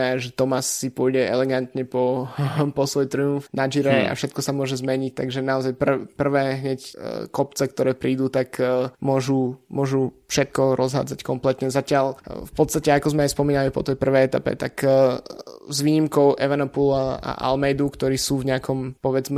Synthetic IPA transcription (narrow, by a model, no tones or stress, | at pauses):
aʒɛt̪ɔmasːipʊɔjɟɛɛ̰lɛɡant̪ɲɛpɔpɔsʋɔjt̪ɾiuɱfnad͡ʒiɾɛa̰fʃɛt̪̚kɔsamʊɔʒɛzmɛɲic̚t̪aɡʒɛnaɔzajpr̩pr̩ʋɛːɦɲɛckɔpt͡sɛkt̪ɔɾɛːpɾiːd̪ut̪akmʊɔʒumʊɔʒufʃɛt̪̚kɔɾʔɔzɦa̰d͡zackɔmplɛt̪ɲɛzacɪalfpɔt̪st̪acɛakɔzmɛajspɔmiːnalipɔ̰t̪ɛjpr̩ʋɛjɛt̪apɛ̰t̪ak | zʋiːɲimkɔʊʔɛʋanɔpula̰ʔa̰lmɛjd̪ukt̪ɔɾiːsuːvɲɛakɔmpɔʋɛd͡zmɛ